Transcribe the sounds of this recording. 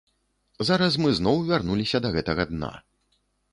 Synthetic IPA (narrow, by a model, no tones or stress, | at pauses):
zaɾɐs̬mɨznɔwvʲarnulʲisʲɐd̪ɐɣɛt̪ɐɣɐd̪na̰